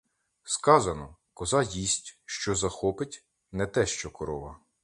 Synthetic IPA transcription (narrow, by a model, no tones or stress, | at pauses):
skɑzɐnɔkɔzɑjisʲtʲʃt͡ʃɔzɐxɔpɪtʲ | nɛt̪ɛʃt͡ʃɔkɔɾɔʋɐ